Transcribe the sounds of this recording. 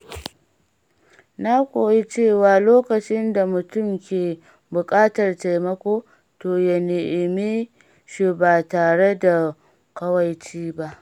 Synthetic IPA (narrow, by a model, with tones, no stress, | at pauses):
na˦kʷoː˨ji˦t͡ʃeː˦˨waː˨loː˦kɐ˨t͡ʃɪ˦nda˨mʊ˨tʊ˦˨mkʲeː˨ | bʊ˨kʼaː˦tɐ˨rta˨jmɐ˦kʷoː˦ | toː˨ja˦˨neː˨ʔɪ˨mi˦ | ʃu˨baː˨taː˨ɽe˦da˨ | kɐ˦wɐ˨jt͡ʃiː˦ba˦ʔ